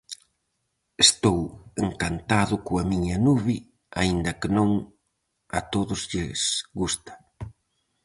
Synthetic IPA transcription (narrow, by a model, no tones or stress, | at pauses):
est̪oweŋkant̪aðʊkoɐmiɲɐnuβɪ | aind̪ɐkɪnõŋ | ɐt̪oðʊzʎɪsɣust̪ɐ̥